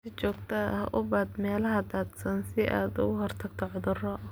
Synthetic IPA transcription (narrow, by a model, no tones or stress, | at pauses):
sɪt͡ʃɔːɡt̪ʰɐhʔʊbaːd̪mɛːlɐɦɐd̪aːd̪sɐnsɪʔaːd̪ʊ̰ɣʊhɔrt̪ʰɐɡt̪ʰɔʕʊðʊrɔʔ